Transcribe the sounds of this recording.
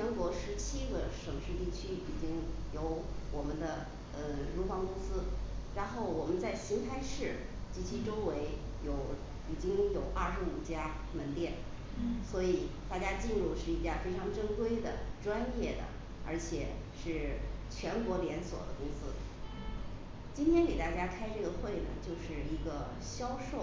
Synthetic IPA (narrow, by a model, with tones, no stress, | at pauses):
t͡ɕʰɛ˧˥nkwɔ˧˥ʂɻ̩˧˥t͡ɕʰi˥ɡə˧ʂɤ˨˩ŋʂy˥˧t̪i˥˩t͡ɕʰy˥i˨˩t͡ɕi˥ŋjo˧˥ʊwɔ˨˩mə˦nd̪ə˧ | ə˧ɻu˧˥fɑ˧˥ŋkʊ˥ŋsɹ̩˥ɻa˧˥nxo˥˩ʊwɔ˨˩mə˦nt͡sa˥˩ɪɕi˧˥ŋt̪ʰa˥ɪʂɻ̩˥˩ | t͡ɕi˧˥˩t͡ɕʰi˥ʈ͡ʂo˥ʊwe˧˥ɪ | jo˧˥ʊ | i˨˩t͡ɕi˥ŋjo˨˩ʊʔaɐ˥˩ʂɻ̩˧˥u˨˩t͡ɕja˥ | mə˧˥nt̪jɛ˥˩n | swɔ˧˥i˨˩t̪a˥˩t͡ɕja˥t͡ɕi˥˧nɻu˥˧ʂɻ̩˥˩i˥˧t͡ɕja˥˩fe˥ɪʈ͡ʂʰɑ˧˥ŋʈ͡ʂə˥ŋkwe˥ɪd̪ə˩ʈ͡ʂwa˥njɛ˥˩d̪ə̰˩ | ə̰˞˧˥t͡ɕʰjɛ̰˨˩˦ | ʂɻ̩˥˩t͡ɕʰɥɛ˧˥nkwɔ˧˥ljɛ˧˥nswɔ̰˨˩d̪ə˦kʊ˥ŋsɹ̩˥ | t͡ɕi˥nt̪ʰjɛ˥nke˨˩t̪a˥˩t͡ɕja˥kʰa˥ɪʈ͡ʂɤ˥˩ɡə˩xwe˥˩ɪnə̰˩t͡ɕjo˥˧ʊʂɻ̩˥˩i˧˥ɡə˧ | ɕjɑ˥ʊʂo˥˩ʊ